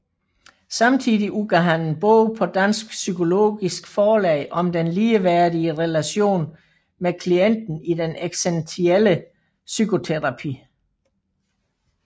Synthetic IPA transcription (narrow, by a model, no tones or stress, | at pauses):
sɑ̈mt͡sʰḭðˠiʔuɡ̥æɦænn̩b̥ɔ̰ʊpʰɒ̽d̥æn̰sɡ̥sykʰo̝lo̝̰ːɡ̥isɡ̥fɒːlɛ̰ɪʔɒ̽md̥enliːʋæɐdiəʁɛlæɕo̝̰ːn | mekʰlien̰d̥n̩id̥eneɡ̥sent͡sʰielə | sykʰo̝t͡sʰeʁɑ̈pʰḭː